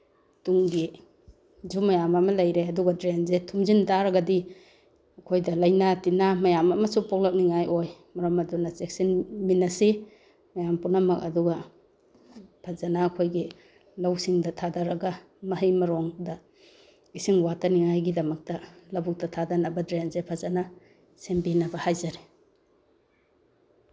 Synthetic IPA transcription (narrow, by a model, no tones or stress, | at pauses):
tuŋɡi | zumɐjamɐmɐlɐjɾeɐduɡɐdɾenzetʰumzintaɾɐɡɐdi | ɐkʰojdɐlɐjnatinamɐjamɐmɐsupɔk̚lɐk̚niŋajʔojmɐɾɐmɐdunɐsek̚sinminːɐsi | mɐjampunɐmɐkɐ̰duɡɐ | pʰazanaːkʰojɡi | lɐwsiŋdɐtʰadaɾɐɡɐ | mɐɦijmɐɾoŋdɐ | isiŋwataniŋajɡidɐmɐk̚tɐlɐbuk̚tɐtʰadanɐbɐdɾenzepʰazana | sembinɐbɐhajzaɾe